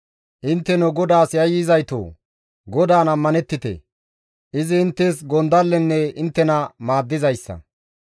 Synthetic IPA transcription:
ʔɪnt̪ːɛnɔɡɔd̪aːsjɐjɪzɐjt̪o̰ː | ɡɔd̪aːnɐmːɐnɛt̪ːɪt̪ḛ | ʔɪzɪːnt̪ːeːs̬ɡɔnd̪ɐlːɛnːɛɪnt̪ːɛnɐmaːd̪ːɪzɐjsːɐ̰

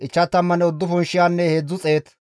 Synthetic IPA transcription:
ʔɪt͡ʃːɐt̪ːɐmːɐnɛɔd̪ːʊfɔnʃɪjaːnːɛheːd͡zːʊt͡sʼeːt̪

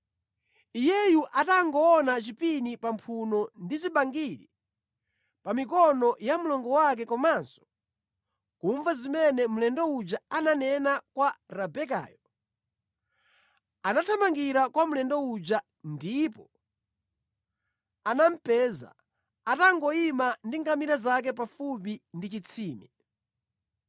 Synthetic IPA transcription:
ijɛjuʔataŋɡɔːnat͡ʃipinipampʰunɔndiziɓaŋɡiɾḭ | pamikɔnɔjamulɔŋɡɔwak̬ɛkɔmansɔ̥ | kuɱvazimɛnɛmulɛndɔud͡ʒaananɛnakwaɾabɛka̰ːjɔ | anatʰamaŋɡiɾakwamulɛndɔud͡ʒa | ndipɔ | anam̩pɛːza̰ | ataŋɡɔimandiŋɡamiɾazak̬ɛpafupindit͡ʃit͡sʰiːmɛ

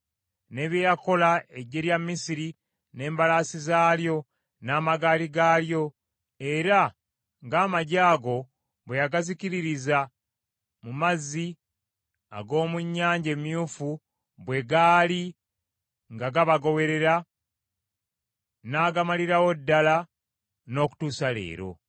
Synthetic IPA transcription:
ne̞ːβjejako̞laeɟːe̞ɾjamːisiɾi | ne̞ːmbalaːsizaːljo̞ | naːmaɡaːliɡaːljo̞ | e̞ɾa | ŋɡaːmaɟaːɡo̞ | bwe̞jaɡaziciɾiɾiza | mumazːi | a̰ɡo̞ːmuɲːaːɲɟe̞mjuːfu | bwe̞ɡaːli | ŋɡaɡaβaɡo̞βe̞ɾe̞ɾa | naːɡamaliɾawo̞dːala | no̞ːku̥tuːsale̞̰ːɾo̞̰

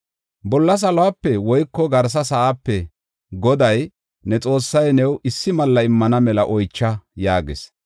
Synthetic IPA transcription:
bɔlːɐs̬ɐlɔwaːpːɛwɔjkːɔɡɐɾs̬ɐsɐʔaːpːɛ | ɡɔd̪ɐj | nɛt͡sʼo̞ːsːɐjnɛwɪsːɪmɐlːɐɪmːɐnɐmɛlɐʔɔjt͡ʃːɐjaːɡḛs

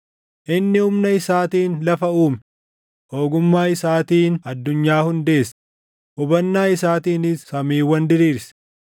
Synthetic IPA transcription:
ʔɪnːɪʊmnɐɪsaːt̪iːnlɐfɐuːm | o̞ːɡʊmːaːɪsaːt̪iːnɐd̪ːʊɲːaːhʊnd̪e̞ːs | ʔʊbɐnːaːɪsaːt̪iːnɪsːɐmiːwɐnd̪ɪɾiːɾs

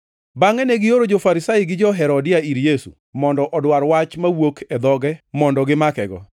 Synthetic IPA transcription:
baŋɛnɛɡɪjoɾod͡ʒofaɾɪsaɪɡɪd͡ʒɔɦɛɾɔdɪaiɾjesṵ | mɔndɔʔɔdwaɾwat͡ʃmawokʰɛd̪ɔɡɛmɔndɔɡɪmakɛɡɔ̰

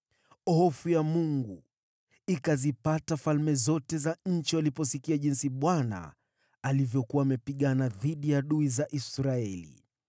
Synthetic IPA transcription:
hɔfujamuŋɡu | ikazipatafalmɛzɔtɛzaɲ̩t͡ʃialipɔsikiaʄinsiɓwana̰ | alivjɔkuwaːmɛpiɠanaðiɗijaɗuizaʔisɾaɛlḭ

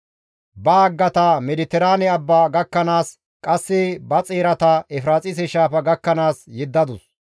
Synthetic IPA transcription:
bɐːɡːɐt̪ɐmɛd̪ɪt̪ɛɾaːnɛɐbːaːɡɐkːɐnaːs | kʼɐsːɪbɐt͡sʼeːɾɐt̪ɐɛfɾaːt͡sʼɪs̬ɛʃaːfɐɡɐkːɐnaːsjɛd̪ːɐd̪ʊs

